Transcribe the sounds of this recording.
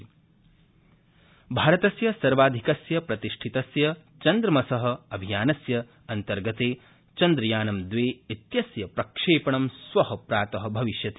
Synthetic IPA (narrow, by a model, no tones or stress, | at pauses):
bʱaːɾɐt̪ɐsjɐsɐɾʋaːd̪ʱikɐsjɐpɾɐt̪iʂʈʰit̪ɐsjɐ | t͡ʃɐnd̪ɾɐmɐsɐɦɐ̆ɐbʱijaːnɐsjɐ | ɐnt̪ɐɾɡɐt̪eː | t͡ʃɐnd̪ɾɐjaːnɐmd̪ʋeːit̪jɐsjɐpɾɐkʂeːpɐɳɐmsʋɐɦɐpɾaːt̪ɐɦɐbʱɐʋiʃjɐt̪i